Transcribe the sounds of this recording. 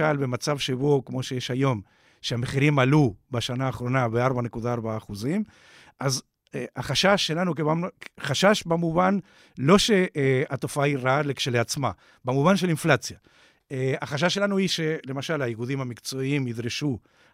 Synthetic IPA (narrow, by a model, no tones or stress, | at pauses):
albe̞mat͡savʃebokmo̞ʃejeʃajo̞m | ʃeameχiʁimalubaʃanaːχʁo̞nabeaʁbane̞kud̪aaʁbaːχuzim | ʔaz | aχaʃaʃːelanukevaχaʃaʃbamuvan | lo̞ʃe̞at̪o̞faaiʁalekʃeleat͡sma | bamuvanʃ̬e̞linflat͡sja | eaχaʃ̬aʃe̞lanuiʃe̞le̞maʃalajiɡud̪imhamikt͡so̞iimid̪ʁeʃu